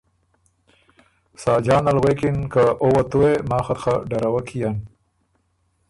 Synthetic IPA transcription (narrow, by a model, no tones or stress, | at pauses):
sɑːd͡ʒɑːnalɣekɪnkaowat̪uwemɑːxat̪xaɖaɾawakʰijan